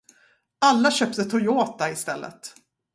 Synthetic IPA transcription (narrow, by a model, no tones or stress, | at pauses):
alːaɕœpt̪ət̪ʰɔjoːt̪aɪst̪ɛlːə̰t̪